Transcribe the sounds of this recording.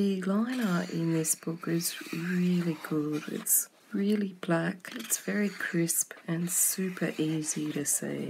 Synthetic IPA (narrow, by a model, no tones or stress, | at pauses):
ɨlãɪ̃nə˞ʔɪ̃nðɪsb̥ʊkɪzɹɪlˠiɡʊdɪ̰ts | ɹɪlˠib̥lækɨtsv̥ɛɹikʰɹ̥ɪspɨ̃nsʉpʰə˞ʔiziɾɨsḛɪ